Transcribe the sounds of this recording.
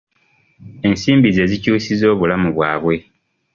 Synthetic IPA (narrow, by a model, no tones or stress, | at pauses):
e̞nsiːmbize̞zicuːsizo̞ːβulamuβwaːβwe̞